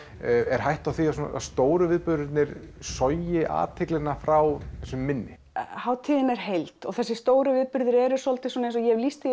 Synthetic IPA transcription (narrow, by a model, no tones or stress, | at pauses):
ɛɾ̥ɦajht̪awθiasɔna̰ðst̪oːwɾʏvɪːðpʏɾɾɪt̪nɪɾsɔjɪʔa̰ːt̪ʰɪklɪnafɾawθɛsʏmːɪnːɪ | hawt̪ʰiːðɪnɛɾ̥hejlt̪ɔɣθɛsːɪst̪oːwɾʏvɪːðpʏɾðʏɾɛɾʏ̥sɔlt̪ɪsɔnaejnsɔjɛvlist̪ɪ